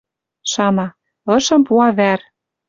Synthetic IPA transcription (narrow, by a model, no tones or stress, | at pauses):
ʃɑmɑ | ɤ̆ʃɤ̆mpuɑβær